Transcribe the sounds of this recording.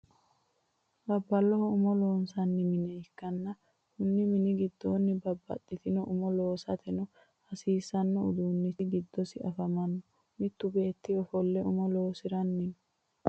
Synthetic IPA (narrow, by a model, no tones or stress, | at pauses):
bɐbːɐlːɔhɔʊmɔloːnsɐnːɪmɪnɛɪkːɐnːɐ | hʊnːɪmɪnɪɡɪd̪ːoːnːɪbɐbːɐ̰t̪ʼːɪt̪ɪnɔʔʊmɔlo̞ːsɐt̪ʰɛnɔ | hɐsiːsɐnːɔʊd̪uːnːɪɡɪd̪ːɔsɪɐfɐmɐnːɔ | mɪt̪ːʊbe̞ːt̪ːɪɔfɔlːɛʊmɔloːsɪɾɐnːɪn